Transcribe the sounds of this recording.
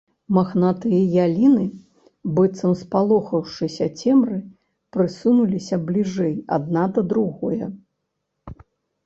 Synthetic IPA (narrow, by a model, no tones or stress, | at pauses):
maxnat̪ɨjɐjalʲinɨ | bɨt̪sɐmspalˠɔxɐwʂɨsʲɐt͡sʲɛmrɨ | pɾɨsunulʲisʲɐblʲiʐɛja̰d̪̚nad̪ɐd̪ɾuɣɔjɛ